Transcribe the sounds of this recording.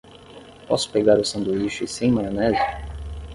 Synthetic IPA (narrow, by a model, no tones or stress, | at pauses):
pɔsʊ̥peɡaɾʊsɐ̃nd̪uiʃisẽj̃majonɛzɪ